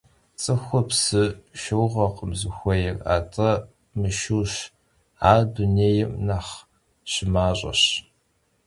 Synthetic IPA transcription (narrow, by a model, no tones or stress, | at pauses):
t͡sʼɨxʷʊpsɨʃɐwʁɐqəmzɨxʷɔjɪra̰ːtʼɐ | mɨʃuːʃ | aːduneːjɪmnaχ | ɕɪmaːɕʼɐ̰ɕ